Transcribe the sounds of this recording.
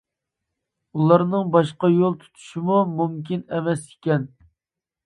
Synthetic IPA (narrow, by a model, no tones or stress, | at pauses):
ulˠɑɾnɨŋbɑʃqɑjolˠt̪ʰu̥t̪ʰu̥ʃɪmumumkʲinɛmɛsikʲɛn